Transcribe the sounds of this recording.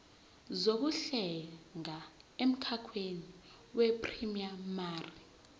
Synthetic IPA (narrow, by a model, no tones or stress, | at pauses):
zok̬uɬɛŋaem̩kʰakʰweni | wɛpʼrimiamaːri